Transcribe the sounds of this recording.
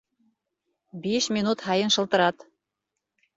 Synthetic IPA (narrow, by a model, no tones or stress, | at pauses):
beʃmʲinut̪hɑjɤnʃɤ̆lˠt̪ɤ̆ɾɑt̪